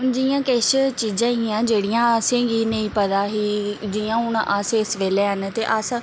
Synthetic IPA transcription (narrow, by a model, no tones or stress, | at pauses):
d͡ʒiːjãːkeʃt͡ʃiːd͡ʒãːiːãːd͡ʒeːɽijãːəsẽːɡiːnəĩːpəd̪aːɦiːd͡ʒiːãːɦʊɳʔəsɪsʋeːleːɦənt̪eːʔəs